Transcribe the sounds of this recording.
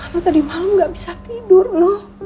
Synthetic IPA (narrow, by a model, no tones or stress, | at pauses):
nɔt̪adimalamɡaʔbisat̪idʊrnɔh